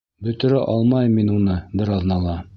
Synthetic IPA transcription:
bɵ̆t̪ɵ̆ɾæʔɑlˠmɑjminunɤbɘ̆ɾɑðnɑlˠɑ

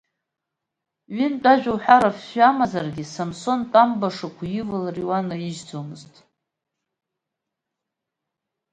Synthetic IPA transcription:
ɥɪnt͡pʼaʒᶣawħʷᶣaɾafɕamazarɡʲisamso̞ntʼambaʂakʷʰjɪvɨlriwanaiʒd͡zomɨztʼ

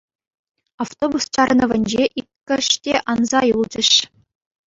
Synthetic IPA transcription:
ɑft̪obust͡ɕɑrnɤ̆ʋʲɘ̆nʲd͡ʑeʔikʲkʲːɘ̆ʂtʲeʔɑnzɑjulˠd͡ʑɘ̆ʂ

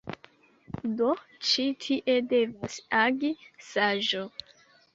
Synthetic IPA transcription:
dot͡ʃitʰiʔe̞de̞vasaɡisaʒo

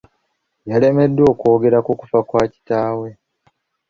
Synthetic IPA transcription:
jale̞me̞dːwo̞ːko̞ːɡe̞ɾakuku̥fakwaːci̥taːwe̞

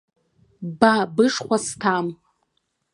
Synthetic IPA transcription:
babɨʂχʷastʰam

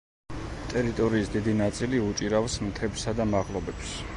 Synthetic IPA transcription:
t̪ʼɛɾit̪ʼɔɾiːsd̪id̪inat̪sʼiliut͡ʃʼiɾafsmt̪ʰɛpsad̪amaʁlˠɔbɛps

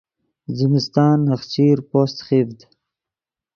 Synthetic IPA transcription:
zimɪst̪ɑːnaxt͡ɕiːɾpoːst̪xiːfd̪

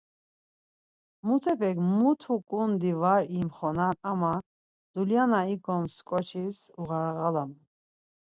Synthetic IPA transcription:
mut̪ʰɛpʰɛkmut̪ʰukʼund̪ivaɾimχɔnanama | d̪̥uljanaiɡɔmskʼɔt͡ʃʰisuʁaɾʁalamu

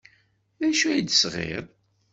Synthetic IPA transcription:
ðæʃuid̪sʁḛɾˤ

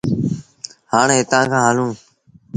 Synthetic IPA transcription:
haːɳɦet̪ãːkʰãːɦalũː

